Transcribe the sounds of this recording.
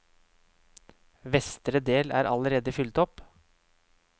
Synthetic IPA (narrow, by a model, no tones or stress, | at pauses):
ʋɛst̪ɾəd̪eːlæ̰ːɾʔɑ̰ləɾeːd̪əfʏlt̪ɔp